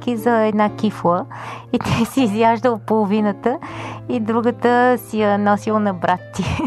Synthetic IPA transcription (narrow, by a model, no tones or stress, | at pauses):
kizɐɛd̪nakiflˠəit̪ɛsiːzjʲaʒd̪əlpolˠʊvinət̪əid̪ɾuɡət̪əsijənɔsilˠnɐbɾat̪ːi